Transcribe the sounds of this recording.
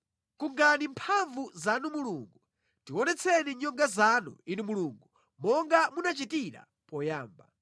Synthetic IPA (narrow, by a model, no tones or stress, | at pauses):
kuŋɡanimpʰaɱvuzanumuluŋɡu | tiwɔnɛt͡sʰɛniɲɔŋɡazanṵinimuluŋɡu | mɔŋɡamunat͡ʃitiɾa̰ | pɔjaːmba̰